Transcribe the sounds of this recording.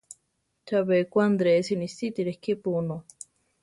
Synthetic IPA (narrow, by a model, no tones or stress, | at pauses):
t͡ʃaβekʷand̪ɾesinist̪it̪iɾehkipuno